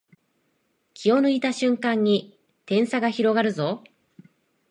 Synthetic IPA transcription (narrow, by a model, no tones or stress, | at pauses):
kʲʰio̞nɯ̟it̪aɕɨ̃ŋkãɲ̟ːi | t̪ẽ̞ɰ̃saɡaçiɾo̞ɡaɾɯ̟zo